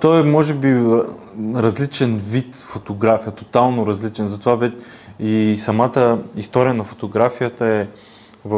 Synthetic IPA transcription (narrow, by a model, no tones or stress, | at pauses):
t̪ɔjɛmɔʒɛbi | ɾɐzlit͡ʃɛnvit̪fot̪oɡɾafijət̪ot̪alˠnoɾɐzlit͡ʃɛnzɐt̪ovavɛ | isɐmat̪əist̪ɔɾijənɐfo̥t̪oɡɾafijət̪əɛ | vɐ